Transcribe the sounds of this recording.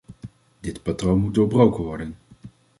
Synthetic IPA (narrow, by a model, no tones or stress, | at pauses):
dɪtpatrownmut̚doːɹbrowkənʋɔɹdən